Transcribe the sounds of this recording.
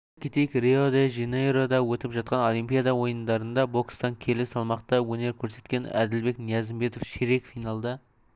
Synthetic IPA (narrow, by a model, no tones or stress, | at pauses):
kʲit̪ejkʲreod̪eʒineɾo̞d̪ɑwɵt̪ɪpʒɑt̪̚qɑno̞lˠijmpijɑd̪ɑwo̞jənd̪ɑɾənd̪ɑbo̞kst̪ɑŋkʲʰe̞lɪsɑlˠmɑqt̪ɑwɵne̞ɾkʲʰɵɾse̞t̪kʲe̞næ̰d̪ɪlbe̞knijɑzɪmbe̞t̪o̞fʃeɾe̞kfijnɑlˠd̪ɑ